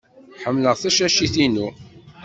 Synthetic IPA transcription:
ħəmːləʁθæʃæʃiθinu

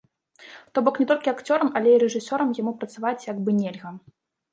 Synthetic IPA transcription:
t̪ɔbɔknʲɛt̪ɔlʲkʲiakt͡sʲɔɾɐmɐlʲeiɾɛʐɨsʲɔɾɐmjamupɾɐt̪savat͡sʲjaɡbɨnʲelʲɣɐ

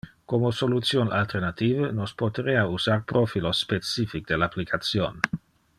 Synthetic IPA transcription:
komosolut̪sjona̰lt̪ernat̪iːvənospot̪eɾeausarpɾofilosːpet̪sifik̚d̪elaplikʰat̪sjon

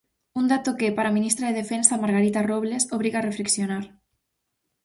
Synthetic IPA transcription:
und̪at̪okepaɾaminist̪ɾaðeðefensamaɾɣaɾit̪aroβlesoβ̞ɾiɣarefleksjonaɾ

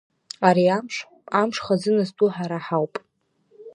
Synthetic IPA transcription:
aɾiamʂ | amʂχazɨnɨztʼuħaɾaħawpʼ

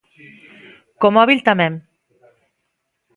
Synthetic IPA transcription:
komɔβilt̪amɛm

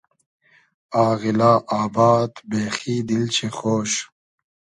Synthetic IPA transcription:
aːɣilaːʔaːbaːt̪beːxiːd̪ilt͡ɕʰexoːɕ

